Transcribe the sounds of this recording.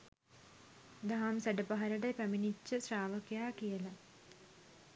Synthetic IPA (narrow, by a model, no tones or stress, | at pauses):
d̪ɐɦɐmsɐɖɐpɐɦɐɾɐɖepɐminit͡ɕːɐsraːʋɐkjaːkijɐlɐ